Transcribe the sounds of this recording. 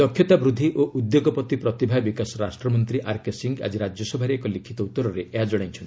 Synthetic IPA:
d̪ɔkʰjɔt̪abɾud̪ʱːiʔoʔud̪joɡɔpɔt̪ipɾɔt̪ibʱabikasɔɾasʈɾɔmɔnt̪ɾiʔaɾkesiŋɡa̰d͡ʒiɾad͡ʒjɔsɔbʱaɾekɔlikʰit̪ɔut̪ːɔɾɔɾeʔeɦad͡ʒɔɽ̃aj̃nt͡ʃʰɔni

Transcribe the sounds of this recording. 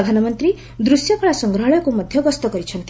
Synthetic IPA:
d̪ʱanɔmʌnt̪ɾi | d̪ɾusjɔpʰɔɭasʌŋɡɾɔɦɔɭɔjɔkumʌd̪ʱjʌɡɔst̪ɔɡʌɾit͡ʃʰʌnt̪

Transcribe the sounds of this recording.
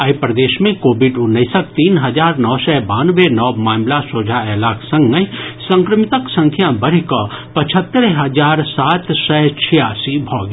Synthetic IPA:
ɐjpɾɐd̪eːʃmẽkoːbiɖʊnːəɪsək̚t̪iːnɦɐd͡ʒaːɾnɔːsɛbaːnʋenɔːmaːmlasoːd͡ʒʱaɛːlaːksə̃ŋɡəisə̃ŋkɾəmɪt̪əksə̃ŋkʰjãbəɽ̤ikɔpɐt͡ʃʰət̪ːəɾɦɐd͡ʒaːɾsaːt̪sɛt͡ʃʰijaːsibʱɔːɡ

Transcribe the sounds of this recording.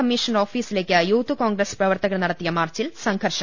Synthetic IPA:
ɐmːiʂɐnɐɾoːfiːsɪlɐkːɐjuːt̪ːukaːŋɡɾɐspɾɐʋɐɾt̪ɐɣɐɭnɐɽɐt̪ːɪjɐmaːrt͡ʃːɪlsɐŋɡʱɐɾʂɐ

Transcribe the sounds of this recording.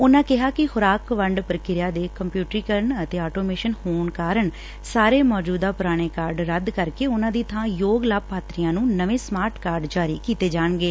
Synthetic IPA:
ʊnãːkɪɦaːkɪhʊɾaːkʋəɳɖpəɾkɪɾjaːd̪eːkəmpjuːʈɾiːkəɾəɳət̪eːaːʈoːmeːʃənhoːɳkaːɾəɳ | saːɾeːmɔːd͡ʒuːd̪aːpʊɾaːɽ̃eːkaːɾɖɾəd̪kəɾkeːʊnãːd̪iːt̪ʰãːjoːɡlaːb̚paːt̪ɾijãːnũːnəʋẽːsmaːɾʈkaːɾɖd͡ʒaːɾḭːkiːt̪eːd͡ʒaːɳɡeː

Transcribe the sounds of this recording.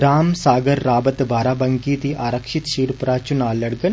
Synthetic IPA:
ɾaːmsaːɡəɾːaːbət̪bʱaːɾaːbɐ̃ŋkiːt̪iʔaːɾəkʃɪt̪ʃiːɾpɾaːt͡ʃʊnaːlːɐɽɡən

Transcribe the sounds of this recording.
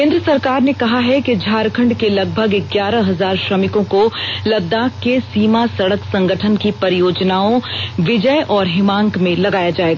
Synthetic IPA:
kẽːnd̪ɾəsɐɾkaːɾnekɐɦaɦɛked͡ʒʱaːɾkʰə̃ɳɖkelɐɡ̚bʱəɡɡjaːɾəɦɐzaːɾʃɾɐmɪkõkolɐb̚d̪aːkːesiːmasɐɽəksɐ̃ŋɡəʈʰənkipɐɾɪjoːd͡ʒnaːõʋɪd͡ʒəjʔɔːɾɦɪmãːŋkmẽlɐɡaːjad͡ʒaːeːɡaː

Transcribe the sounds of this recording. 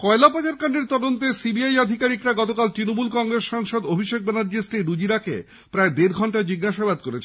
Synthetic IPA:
kɔelapat͡ɕaɾkaɳɖeɾt̪ɔd̪ont̪esibiajad̪ʱikaɾikɾaɡɔt̪okalt̪ɾinomulkɔŋɾesʃaŋʃod̪obʱiʃek̚bɛnaɾd͡ʑisʈiɾud͡ʑiɾakḛ | pɾaed̪eɾɡʱɔɳʈad͡ʑiɡaʃabad̪̚koɾet͡ɕʰe

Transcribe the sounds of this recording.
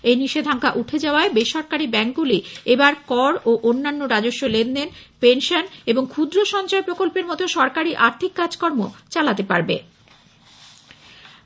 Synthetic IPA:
ejniʃed̪ʱaŋkaʔuʈʰed͡ʑaoaebeʃɔɾkaɾibɛŋk̚ɡuliebaɾkɔɾoʔonːanːoɾad͡ʑoʃːolendenpenʃoneboŋkʰud̪ɾoʃɔnt͡ɕaepɾokolpeɾmɔt̪oʃɔɾkaɾiʔaɾt̪ʰikːad͡ʑkɔɾmot͡ɕalat̪epaɾbḛ

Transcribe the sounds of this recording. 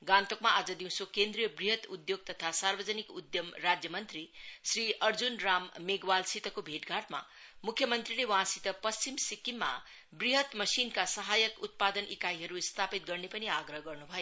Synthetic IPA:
ɡãnt̪okmaad͡zʌd̪iw̃sokend̪rijʌbriɦʌt̪ud̪joɡ̚t̪ʌt̪ʰasarbʌd͡zʌnikud̪jʌmrad͡zjʌmʌnt̪risriʌrd͡zunramːeɡwalsit̪ʌkobʱeʈɡʱaʈma̰ | mukʰːjʌmʌnt̪rilewʌɦãsit̪ʌpʌst͡ɕimsikimːa̰ | briɦʌt̪mʌsinkasʌɦajʌkut̪̚pad̪ʌnʔikaiɦʌɾust̪ʰapit̪̚ɡʌrnepʌniaɡrʌɦʌɡʌrnubʱʌjo

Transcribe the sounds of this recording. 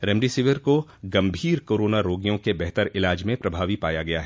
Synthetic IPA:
ɾɛmɖisɪʋɪɾkoɡɐ̃mbʱiːɾkoːɾoːnaɾoːɡijõkebɛɦt̪əɾɪlaːd͡ʒmẽpɾɐbʱaːʋipaːjaɡɐjaɦɛː

